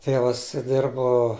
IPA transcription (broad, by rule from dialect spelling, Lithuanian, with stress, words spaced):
ˈtʲeːʋɐs ˈdʲɪrboː